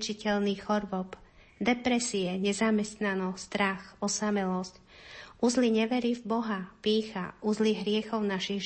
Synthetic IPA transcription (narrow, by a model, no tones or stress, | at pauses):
t͡ʃicɛlniɣɔɾʋɔp | d̪ɛpɾɛsiɛɲɛzamɛst̪nanɔst̪ɾaxɔsamɛlɔsc | uzliɲɛʋɛɾivbɔɦapiːxa̰ʔuzliɦɾɪɛxɔʊnaʃiɣ